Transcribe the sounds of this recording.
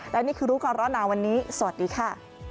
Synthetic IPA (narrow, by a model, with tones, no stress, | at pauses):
lɛ˦˥wniː˥˩kʰɯː˧ɾuː˦˥kɔː˧ɾɔː˦˥naː˧˩wa˧nːiː˦˥sa˨˩˨a˩t̪̚diː˧kʰa˥˩